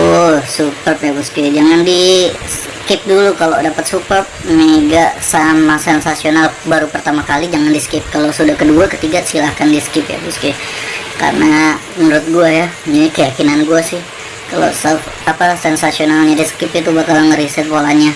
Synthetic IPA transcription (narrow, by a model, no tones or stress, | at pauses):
t̪ulsupərp̚jabusk̪id͡ʒaŋandisəkɪp̚dulukalo̰dapət̪̚supəp̚meɡaʔsamasɛnsasionalbaɾupərt̪amakalid͡ʒaŋandiskɪp̚kalosudahkəduakət̪iɡasilahkandiskɪpja̰bust̪ɪka̰rnamənuɾʊt̪̚ɡuaja | inikəjakinanɡuasɪh | kalo̰saf | apasɛnsasionalɲadisə̥kɪpit̪ubakalŋəɾisɛt̪̚polaɲa